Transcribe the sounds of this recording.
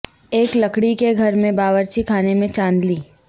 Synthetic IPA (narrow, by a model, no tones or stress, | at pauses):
eːkləkɽikeɡʱɐɾmẽbaːʋəɾt͡ʃikʰaːnemẽt͡ʃãːnd̪liː